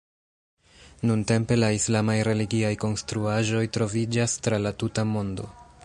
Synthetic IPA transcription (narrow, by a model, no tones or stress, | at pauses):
nunte̞mpe̞laislamajɾe̞liɡiajko̞nstɾuaʒo̞jtɾo̞vid͡ʒastɾalatutamo̞ndo̞̰